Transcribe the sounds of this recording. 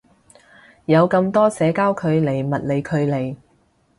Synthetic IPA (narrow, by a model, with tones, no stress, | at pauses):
jɐ˨˧wkɐ˧mt̪ɔː˥sɛː˨˧˥kaː˥wkʰɵ˨˧ɥle˨˩jmɐ˨t̚le˨˧jkʰɵ˨˧ɥle˨˩j